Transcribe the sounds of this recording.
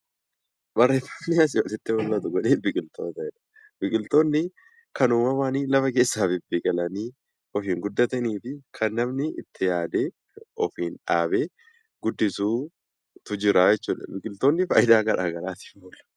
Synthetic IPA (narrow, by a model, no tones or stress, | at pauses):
bɐrːe̞ːfːɐ̥mːɪɐs̬ɪɔlɛt̪ːɪwɔlːɐt̪ʊɡɔᶑeːbɪkʼɪlt̪o̰ːt̪ɐɛᶑɐ̥ | b̥ɪkʼɪlt̪o̞ːnːɪ | kɐnʊmɐwaːniːlɐfɐke̞ːsːaːfɪbɪkʼɐlɐniː | ɔfiːŋɡʊd̪ːɐt̪ɐniːfɪkʰɐnːɐmnɪɪ̰t̪ʰːɪjaːd̪e̞ː | ɔfiːnᶑaːbeː | ɡʊd̪ːɪsuː | t̪ʊd͡ʒɪɾaːjɛt͡ʃːuːᶑ̪ɐ̰bɪkʼɪlt̪oːnːɪfɐːjɪd̪aːɡɐɾʔa̰ːɡɐɾaːt̪ɪ̥oːlɐ̥